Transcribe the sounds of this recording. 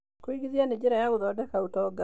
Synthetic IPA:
koiɡiðianed͡ʒeɾajaɡoðɔdɛkautɔɡa

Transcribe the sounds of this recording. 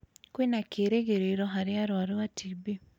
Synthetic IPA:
kwenakeɾeɣeɾeɾɔɦaɾɪaɾwaɾeatʰibi

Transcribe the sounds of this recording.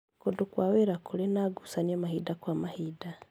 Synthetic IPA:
kudukwaːweɾakulinaɡusaniomaɦidakwaːmahiːda

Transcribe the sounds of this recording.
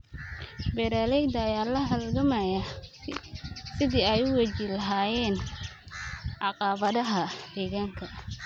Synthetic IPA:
bɛɾaːlɛjd̪ɐːjaːlɐɦɐlɡɐmɐjɐ | sɪðiːɛjʊwɛt͡ʃilɐɦaːjɛːn | ʕɑqɑːβɐðɐɦɐd̪ɛːɣaːŋkʰɐ

